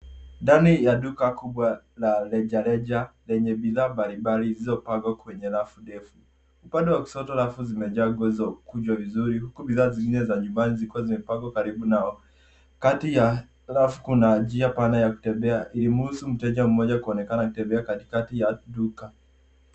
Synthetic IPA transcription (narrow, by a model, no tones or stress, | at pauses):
ndanijaɗukakuɓwa | lalɛʄalɛʄalɛɲɛɓiðaːmbaliɓalizizɔpaɡwakwɛɲɛlafuɗɛfu | upandɛwaku̥sɔtɔalafuzimɛʄaɡwɛzɔkud͡ʒwavizuɾihukubiðaːziŋɡinɛzaɲumbaniziikuwazimɛpaɡwakaɾiɓunaɔ | katija | lafukunad͡ʒiapanajaku̥tɛmbɛaʔilim̩husum̩tɛʄam̩mɔʄakuɔnɛkanaku̥tɛmbɛakati̥katijaɗuka